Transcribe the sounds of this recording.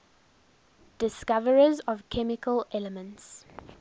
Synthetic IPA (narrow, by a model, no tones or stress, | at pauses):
d̥ɪskavəɹəzɔv̥kʰɛmɪkəlɛləmə̃nts